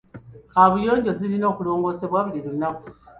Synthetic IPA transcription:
aβujo̞ːɲɟo̞zilino̞ːkulo̞ːŋɡo̞ːse̞βwaβuɾiɾuunaku

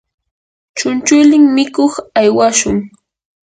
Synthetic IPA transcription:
t͡ʃʊnt͡ʃʊjlɪŋmɪkoχajwaʃʊŋ

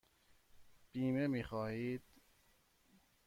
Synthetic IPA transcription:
b̥iːmemiːxɒːhiːd̪̥

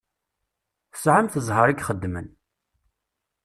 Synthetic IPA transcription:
θəsʕamθəzˤɦəɾiɡχəd̪ːmə̰n

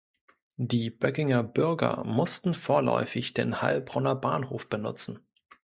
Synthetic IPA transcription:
diːb̥œkɪŋɐbʏɐɡɐ̰mʊstn̩foːɐlɔ̰ʏfɪçd̥eːnha̰lbʁɔnɐbaːnhoːfb̥ənʊ̰t͡sn̩

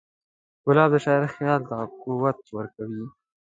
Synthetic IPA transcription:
ɡʊlɑb̚d̪əʃɑɪɾxjɑlt̪akuwat̪̚wəɾkawi

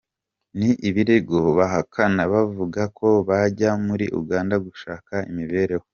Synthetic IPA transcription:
niʔiβiɾeɡoβaɦakʰanaβavuɡakʰo̞βaɟamuɾiʔṵɡaːndaɡuʃaːkaimiβe̞ːɾe̞wo

